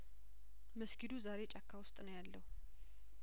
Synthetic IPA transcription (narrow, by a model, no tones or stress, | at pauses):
məskid̪uzaɾe̞t͡ʃʼakʰːawʊst̪ʼnəwjalːəhu